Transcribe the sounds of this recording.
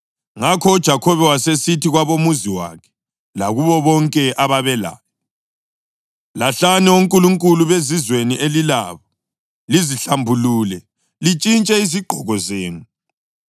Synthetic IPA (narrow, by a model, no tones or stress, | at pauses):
ŋakʰɔːd̥ʒ̥ʱakʰɔβɛwasesitʰiɣwaβomuziwa̰kʰɛ̥ | laɣuβɔβɔŋkʼɛʔaβaβɛla̰βɔ | laɬanɛoŋkʼuluŋkʼuluβezizweniʔelila̰ːβɔ | liziɬambʱuluːlɛ | lit͡ʃʼint͡ʃʼɛiziɡ͡ǃ̥ʱɔɣɔzeːŋu